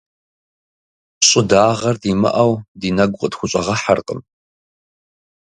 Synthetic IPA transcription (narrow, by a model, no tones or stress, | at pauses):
ɕʼɪdaːʁɐrdiːmɐ̰ʔɐwdiːnɐɡʷqʼədxʷʊɕʷʼɐʁɐħarqʼəm